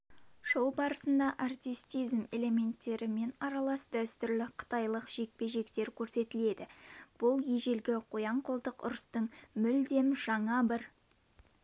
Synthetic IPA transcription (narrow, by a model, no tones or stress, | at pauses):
ʃowbɑɾəsənd̪ɑʔart̪ijst̪ijzme̞le̞me̞nt̪ːe̞ɾɪme̞nɑɾɑlˠɑsd̪æst̪ʏɾlɪqʰə̥t̪ɑjlˠəqʒ̥e̞k̚pe̞ʒe̞kt̪e̞ɾkʲʰɵɾse̞t̪ɪle̞d̪ɪb̥ʊlˠje̞ʒe̞lɡʲɪqʰojɑɴqʰolˠd̪əqʊ̰ɾəst̪əɴmʏld̪e̞mʒ̥ɑɴɑbɪɾ